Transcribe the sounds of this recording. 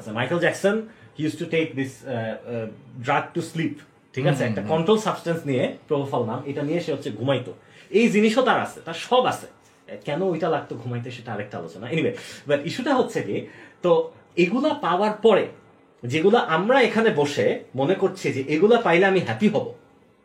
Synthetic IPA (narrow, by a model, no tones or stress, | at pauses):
at͡ɕʰemajkeld͡ʑɛksonhijusʈuʈek̚d̪is | ɖɾaɡ̚ʈuslip | ʈʰikat͡ɕʰeɛk̚ʈakɔɳʈɾolsabsʈansnijepɾobʱofalnamejʈanijeʃeɦotːɕʰeɡʱumajt̪o̰ejd͡ʑiniʃot̪aɾa̰sʰet̪aɾʃɔbasʰe | kɛnoojʈalaɡ̚t̪oɡʱumajt̪eʃeʈaaɾek̚ʈaa̰lot͡ɕonaeniwejbaʈiʃuʈaɦotːɕʰeket̪o | eɡulapaoaɾpɔɾḛ | d͡ʑeɡulaʔamɾaekʰaneboʃemonekoɾt͡ɕʰid͡ʑeʔeɡulapajleamiɦɛpiɦɔbo̰